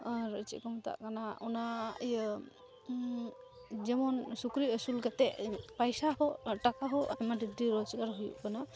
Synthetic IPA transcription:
aɾət͡ʃḭʔkɔmt̪a̰ʔkanaɔnajə | d͡ʒɛmɔnsukɾiəsulɡat̪ɛʔpajsaɦɔʈakaɦɔamadid̪ɾiɾɔd͡ʒɡaɾɦujṵʔkana

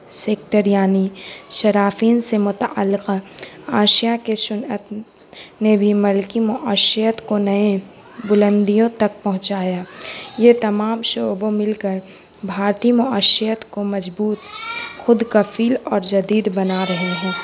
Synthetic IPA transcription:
seːkʈəɾjaːniʃɐɾaːfiːnsemʊt̪aʔə̰lːɪqaːʃijakesʊnət̪ | nebʱimɐlkimʊʔaːʃijət̪konɐẽ | bʊlə̃nd̪ijõt̪ɐk̚pɐɦʊ̃t͡ʃaːjaːjet̪ɐmaːmʃoːbõmɪlkəɾ | bʱaːɾt̪imʊaːʃijət̪komɐd͡ʒbuːt̪xʊd̪kɐfʰiːlɔːɾd͡ʒɐd̪iːd̪bɐnaɾɐɦeɦɛ̃ː

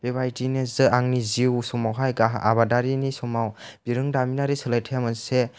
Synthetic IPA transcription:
b̥eβajtinezɯaŋniziwsumawɦajɡaɦa̰badaɾinisumawb̥iɾɯŋdaminaɾisɯlajtʰeamɯse

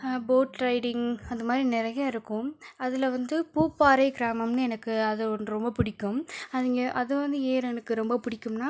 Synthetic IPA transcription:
boːʈɾɐɪɽɪŋɡɐnd̪ɐmaːd̪ɾinɪɾɐjɐɪɾɯkːʊ̃ɐðɪlɐʋɐnd̪ɯpuːpːaːɾɐɪɡɪɾaːmɐmnɯɛnɐkːɯɐðɯɔnɯɾɔmbɐpʊɽɪkːɯmɐðɪŋɡɐʔɐðɯʋɐnd̪ɯeːɾɛnɐkːɯɾɔmbɐpʊɽɪkːɯmnaː

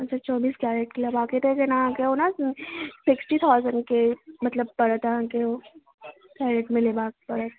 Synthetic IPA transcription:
ɐt͡ʃʰat͡ʃɔːbiːsɡaːɾeʈ̚kilabaːket̪ekenaãːkeona | sɪksʈit̪ʰaːʊzə̃ɳɖkemɐt̪ləbpɐɾət̪aɦãːkeo | ɡ̥aːɾeʈmɪlebaːkpɐɾət̪

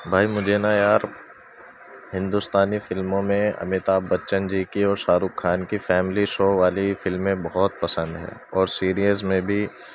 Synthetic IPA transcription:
bʱaːimʊd͡ʒʱenajaːɾ | hɪ̃nd̪ust̪aːnifɪlmõmẽɐ̰mɪt̪aːbːɐtːʃənd͡ʒiːkiɔːɾʃaːɾuːkʰːaːnkifɛːmɪliʃoːʋaːlifɪlmːẽbɔɦɔt̪̚pɐsə̃nd̪ɦɛ̰ːɔːɾsiːɾiəzmẽbʱi

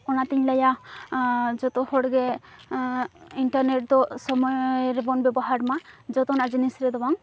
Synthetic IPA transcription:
ɔnat̪iɲlaja | d͡ʒɔt̪ɔhɔɽɡɛ | iɳʈaɾneʈ̚d̪ɔsɔmɔjɾɛbɔnbɛbɔɦaɾmad͡ʒɔt̪ɔnad͡ʒinisɾɛd̪ɔbaŋ

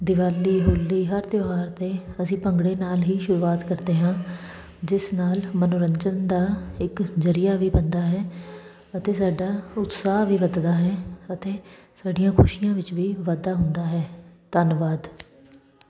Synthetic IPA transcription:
d̪ɪʋaːliːɦʊlːiːɦəɾt̪joːɦaːɾt̪eːəsĩːpəŋɡɽeːnaːlɦiːʃʊɾuːaːt̪kəɾd̪eːɦãː | d͡ʒɪsnaːlmənʊɾəɲt͡ʃənd̪aːɪkzəɾɪjaːʋiːbənd̪aːɦɛː | ət̪eːsaːɖaːʊt̪saːɦʋiːʋəd̪d̪aːɦɛːət̪eːsaːɖɪjãːkʰʊʃɪjãːʋɪt͡ʃʋiːʋad̪aːɦʊnd̪aːɦɛːt̪ənʋaːd̪

